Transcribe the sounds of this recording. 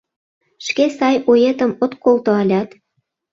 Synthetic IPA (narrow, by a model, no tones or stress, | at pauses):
ʃkesɑjojet̪əmot̪kolt̪oɑlʲɑt̪